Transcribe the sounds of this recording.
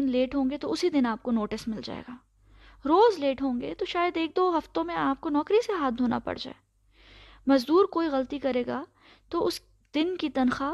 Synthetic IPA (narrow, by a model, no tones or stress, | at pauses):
ɪnleːʈɦõːŋɡet̪oʊsid̪ɪnaːp̚konoːʈɪsmɪld͡ʒa̰ːḛːɡaː | ɾoːzleːʈɦõːŋɡet̪oʃaːjəd̪eːk̚d̪oːɦɐft̪õmẽaːp̚konɔːkɾiseɦaːd̪ʱoːna̰pɐ̰ɽ̤d͡ʒa̰ːeː | mɐzd̪uːɾkoːiɣɐlt̪ikɐɾeːɡaː | t̪oʊs | d̪̥ɪnkit̪ɐnxa